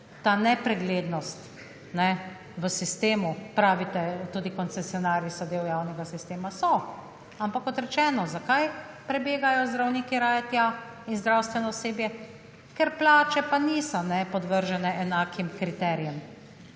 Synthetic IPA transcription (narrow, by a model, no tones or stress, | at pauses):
t̪aːnɛpɾɛɡleːd̪nɔst̪ | nɛ | ʋəsist̪eːmupɾaːʋit̪ɛt̪uːd̪ikɔnt̪sɛsiɔnaːɾjisɔd̪eːwjaːwnɛɡasist̪eːmasɔ | ampakːɔt̪ɾɛt͡ʃɛːnɔzakaj | pɾɛbeːɡajɔzd̪ɾawniːkiɾaːjɛt̪jainzd̪ɾawst̪ʋɛnɔseːbjɛ | kɛɾplaːt͡ʃɛpanisɔnɛpɔd̪ʋəɾʒɛnɛʔɛnaːkʰimkɾit̪ɛːɾijɛm